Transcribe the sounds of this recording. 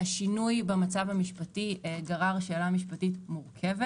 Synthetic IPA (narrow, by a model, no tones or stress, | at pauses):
aʃinujbemat͡savhamiʃpatiɡaʁaʁʃelamiʃpatitmuʁkʰe̞ve